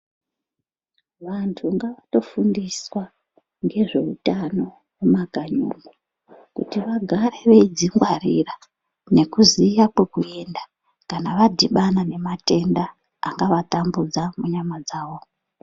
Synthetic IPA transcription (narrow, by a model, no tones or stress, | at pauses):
ʋantʰuŋɡaʋato̞fundiswa | ŋɡe̞ʐe̞utano̞ | wumaɡʱaɲṵŋɡu | kṵtiʋaɡʱaɾe̞ʋeid͡ziŋɡwarira | ne̞kuzijakwekue̞nda | kanaʋadʱiɓanane̞mate̞nda̰ː | ŋɡaʋatambud͡zamuɲamad͡zaːwo̞